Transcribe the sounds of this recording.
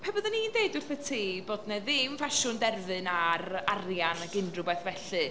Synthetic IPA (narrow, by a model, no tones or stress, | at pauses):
pʰɛbɔðənindeːdʊrθətʰiːboːdnɛðɪmfaʃʊndɛrðɨnararjanaɡɪndrʊbɛθvɛɬɨ